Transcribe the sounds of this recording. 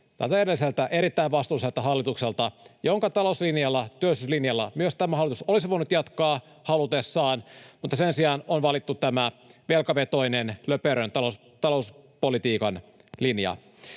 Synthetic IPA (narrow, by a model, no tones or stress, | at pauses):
t̪æ̰lt̪æjeɾelːiselt̪æʔe̞ɾit̪ːæiʋʋɑst̪uiselt̪ɑɦɑlːit̪ukselt̪ɑjoŋkɑt̪ɑlouslinjɑlːɑt̪yølːˑisyslinjɑlːɑ̰myøst̪æmæɑlːit̪usolis̬iʋoinut̪jɑt̪kɑː | hɑlut̪esːɑːnmut̪ːɑsensiɑːnonʋɑlit̪ːut̪æmæʋelkɑʋet̪o̞inenløpøɾønt̪ɑo | t̪ɑlouspolit̪iːkɑn | linjɑ̰